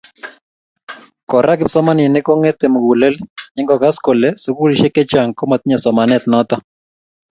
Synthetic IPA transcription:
kɔ˨ɾʔa˦kɪ˨psɔ˦ma˦nɪ˨nɪ˦ko˦ŋe˦t̪e˨mu˨ɡu˨le˦lɲɪ˦ŋɡɔ˨ka˦sko˨le˦su˦ku˦li˨ʃe˦ke˦t͡ʃa˨ŋko˦ma˨t̪̚ɲa˨sɔ˨ma˨nɛ˦˨t̪nɔ˦t̪ɔ˦

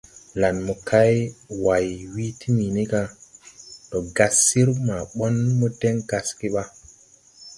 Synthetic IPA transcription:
la˨nmu˨kʰa˦jwa˨jwi˦ti˦mi˨ni˦ɡa˦ | to˨ɡa˨sːi˦ɾma˨ɓo˦nmɔ˦de˦ŋɡa˨ski˦ɓa˦

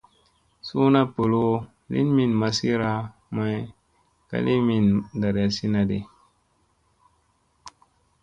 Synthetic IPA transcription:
su˦na˦po˨lo˦ | lḭ˦nmi˦˨nma˨si˦ɾa˦ma˦j | ka̰˦li˦mi˨nda˨ɾa˨si˦na˨dḭ˦

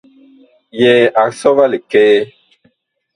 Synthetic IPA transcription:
jɛ˨ʔa˨ksɔ˦va˦le˨kɛː˦

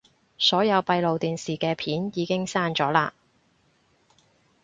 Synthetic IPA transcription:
sɔː˨˥jɐ˨˧wpɐ˧jlo˨wt̪iː˨˩nsiː˨kɛː˧pʰiː˨˥njiː˨˧kɪ˥ŋsaː˥nt͡ʃɔː˨˥laː˧

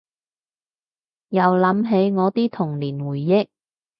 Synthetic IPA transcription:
jɐ˨˩wlɐ˨˧˥mɦe˨˧˥jŋɔː˨˧t̪iː˥t̪ʰʊ˨˩ŋliː˨˩nwuː˨˩jːɪ˥k̚

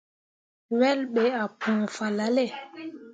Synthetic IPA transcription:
wɛ˦lɓe˨˦a˨pʰũ˨fa˨la˨˦le˦˨

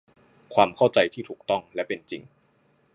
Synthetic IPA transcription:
kʰwaː˧mkʰa˥˩wt͡ɕa˧jt̪ʰiː˥˩t̪ʰuː˨˩k̚t̪ɔ˥˩ŋlɛ˦˥pe˧nt͡ɕḭ˧ŋ

